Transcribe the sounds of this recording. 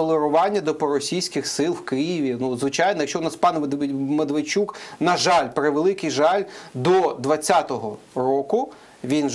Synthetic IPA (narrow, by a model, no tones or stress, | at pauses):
ɔlˠeɾʊʋɑnʲːɐd̪ɔpɔɾɔsʲijsʲkɪxsɪlˠwkɪjiʋʲinuzʋɪt͡ʃɑjnɔjɐkʃt͡ʃɔʊnaspɑnmed̪ʋɪt͡ʃuknɐʒɑlʲpɾɪʋelˠɪkɪjʒɑlʲd̪ɔd̪ʋɐt͡sʲːat̪ɔɦɔ | ɾɔkʊ | ʋʲin